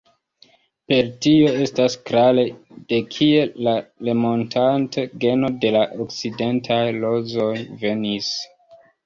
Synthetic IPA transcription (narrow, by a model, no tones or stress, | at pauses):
pe̞ɾtio̞e̞staskɾaled̥e̞kʰie̞lale̞mo̞ntʰanteɡe̞no̞de̞laʔok̚t͡side̞ntʰajlo̞zo̞jve̞nis